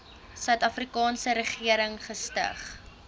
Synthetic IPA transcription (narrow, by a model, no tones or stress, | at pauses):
sœɥtɐfrikɑːnsəɾəχiəɾəŋχəstə̰χ